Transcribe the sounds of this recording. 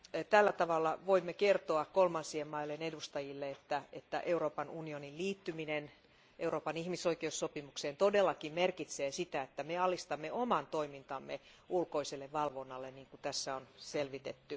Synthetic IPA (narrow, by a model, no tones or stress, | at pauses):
t̪ælːæt̪ɑʋɑlːɑʋoimːekert̪oɑkkolmɑnsiemmɑilːenedust̪ɑjilːeet̪ːæet̪ːæ̰ʔeuɾo̞ːpɑnunionilliːt̪ːyminen | ʔeuroːpɑnihmisoikeusːopimukseːnt̪odelːɑkimmerkit̪seːsit̪æet̪ːæmeɑlist̪ɑmːeomɑnt̪oimint̪ɑmːe | ulkoiselːeʋʋɑlʋonːɑlːeniːŋkut̪æsːæonselʋit̪et̪ːy